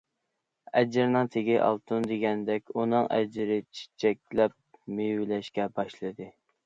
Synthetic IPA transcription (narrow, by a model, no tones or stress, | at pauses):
ɛd͡ʒɪɾnɨŋt̪ʰeɡʲiʔɑ̰lˠt̪ʰund̪eɡʲɛnd̪ɛkʲunɨŋʔɛ̰d͡ʒɪɾɪt͡ʃʰi̥t͡ʃʰɛk̚ʲlɛp̚mewɪlɛʃkʲɛbɑʃlˠɨd̪ɨ